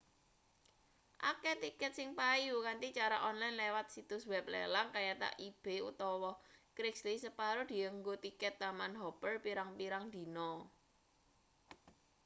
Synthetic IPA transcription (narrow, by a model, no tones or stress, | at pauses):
ʔa̰kɛt̪ikɛt̪̚sɪŋpajukant̪it͡ʃaɾaʔɔnlajnlewat̪̚sit̪ʊswɛp̚lḛlaŋkajat̪a̰ʔib̥e̤ṵt̪ɔwɔkɾɪkslisəpaɾod̪̥i̤əŋɡot̪ikɛt̪ːamanɦɔpərpiɾaŋpiɾaŋd̪̥i̤nɔ